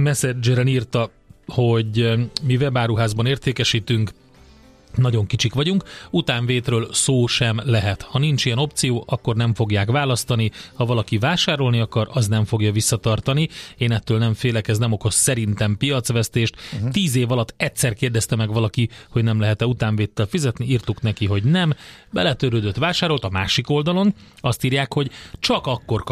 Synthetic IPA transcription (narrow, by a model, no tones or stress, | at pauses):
mɛsɛd͡ʒɛɾɛniːrt̪ɒ | ho̞ɟmivɛbaːɾuɦaːzbɒneːrt̪eːkɛʃiːt̪yŋk | nɒɟo̞ŋkit͡ʃikʋɒɟuŋkut̪aːɱveːt̪røːlsoːʃɛmlɛɦɛt̪hɒnint͡ʃijɛno̞pt̪sijoːʔɒkːo̞rnɛɱfo̞ɡjaːkʋaːlɒst̪ɒnihɒvɒlɒkivaːʃaːɾo̞lniɒkɒɾɒznɛɱfo̞ɡjɒvisːɒt̪ɒrt̪ɒnieːnɛt̪ːøːlnɛɱfeːlɛkɛznɛmo̞ko̞sːɛɾint̪ɛmpijɒt̪sʋɛst̪eːʃt̪t̪iːzeːvɒlɒt̪ːɛtʲsɛrkeːrd̪ɛst̪ɛmɛɡʋɒlɒkiho̞ɟnɛmlɛɦɛt̪ɛut̪aːɱveːt̪ːɛlfizɛt̪niiːrt̪uknɛkiɦo̞ɟnɛmbɛlɛt̪øɾøːd̪øt̪ʋaːʃaːɾo̞lt̪ɒmaːʃiko̞ld̪ɒlo̞nɒst̪iːrjaːkho̞ɟt͡ʃɒkɒkːo̞rk